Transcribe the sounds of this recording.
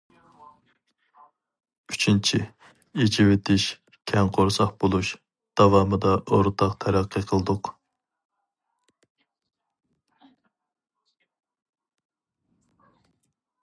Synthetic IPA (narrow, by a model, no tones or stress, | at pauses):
yt͡ʃʰint͡ʃʰɪ | et͡ʃʰiwet̪ʰɪʃ | kʲʰɛŋqʰoɾsɑχbolˠuʃ | d̪̥ɑvɑːmɨd̪ɑʔoɾt̪ʰɑqt̪ʰɛɾæqʰːəqʰəlˠɨd̪ʊq